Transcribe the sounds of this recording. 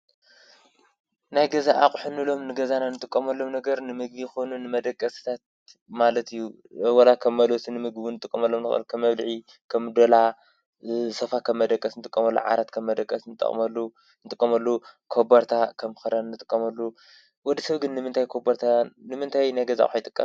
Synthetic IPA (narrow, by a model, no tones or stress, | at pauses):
najɡɐzaʔaχʼħunɨlo̞mnɨɡɐzananɨt̪ʼɨkʼːɐmɐlːo̞mnɐɡɐɾnɨmɨɡ̚bijxo̞nunɨmɐd̪ɐkʼːɐsɨ̥t̪ʰat̪̚ | malɐt̪ʰijːu | wɐlakʰɐmːɐlosinɨmɨɡbinɨt̪ʼɨkʼːɐmɐlːomnɨxɐ̰lkʰɐmːɐβlʕi | kʰɐmd̪ɐla | sɐfakʰɐmːɐd̪ɐkʼːɐsnɨt̪ʼɨkʼːɐmɐlːo̰ʕa̰ɾat̪kʰɐmːɐd̪ɐkʼːɐsnɨt̪ʼɐ̰χʼmɐlːu | nɨt̪ʼɨkʼːɐmɐlːukʰobɐɾt̪ʰakʰɐmxɐɾannːɨt̪ʼɨkʼːɐmɐlːu | wɔd̪ːisɐβɡɨnːɨmɨnt̪ʰajkʰobɐɾt̪ʰanɨmɨnt̪ʰajnajɡɐza̰ʔʼħjt̪ʼɨkʼːɐm